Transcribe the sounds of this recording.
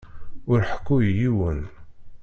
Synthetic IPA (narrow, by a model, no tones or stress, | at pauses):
ʊɾħə̥kːujjiwən